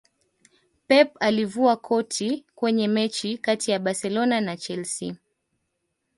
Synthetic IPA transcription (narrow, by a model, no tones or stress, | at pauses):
pɛpalivuakʰɔtʰikwɛɲɛmɛt͡ʃikatijaɓasɛlɔnanat͡ʃɛlsi